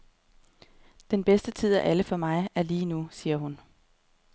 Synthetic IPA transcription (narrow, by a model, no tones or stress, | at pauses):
d̥enb̥esd̥ət͡sʰið̞̰ˠæʔæləfɒ̽mɑ̈ɪæɐliːnusiːɐɦun